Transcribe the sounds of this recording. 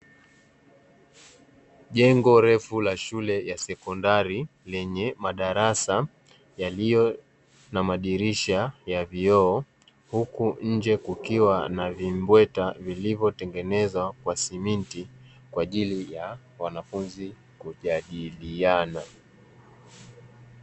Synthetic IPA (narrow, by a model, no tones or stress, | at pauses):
ʄɛŋɡɔɾɛfulaʃulɛjasɛkɔndaɾilɛɲɛmaɗaɾasa | jalijɔ | namaɗiɾiʃajaviɔː | hukuɲ̩d͡ʒɛkukiwanavimbwɛtavilivjɔtɛŋɡɛnɛzwakwasiminti | kwaʄilija | wanafunzi | kuʄaɗiliana